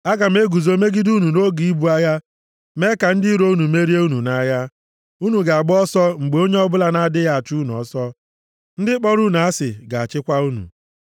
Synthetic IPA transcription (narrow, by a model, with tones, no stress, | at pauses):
a˦ɡa˨m̩˦e˦ɡu˨zo˨me˦ɡi˦du˦nu˨no˦ɡi˨i˦bu˦a˦ja˦ | me˦ka˨n̩˦dɪ˦ɾo˦u˦nu˨me˦ɾi˦e˦u˦nu˨na˦ja˦ | u˦nu˨ɡa˨a˨ɡ͡bɔ˦sɔ˦ŋ͡m̩˨ɡ͡be˨o˦ɲe˦ɔ˦bʊ˦la˦na˦dɪ˦ja˦˨a˨t͡ʃu˦n˨ɔ̰˨˦sɔ˦ | n̩˦dɪ˦k͡pɔ˦ɾu˦n˨a˦sɪ̰˨ɡa˨a˨t͡ʃɪ˦kʷa˦u˦nṵ˨